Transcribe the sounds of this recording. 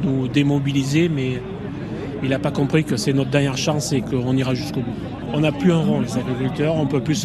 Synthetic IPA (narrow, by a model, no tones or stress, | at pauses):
nud̪emɔbilizemɛ | ilapakɔ̃pχikəsɛnɔt̪χəd̪ɛʁnjɛʁʃɑ̃sekəɔ̃niʁaʒyskobu | ɔ̃naplyɛ̃ʁɔ̃lezaɡʁikylt̪œʁɔ̃pøplys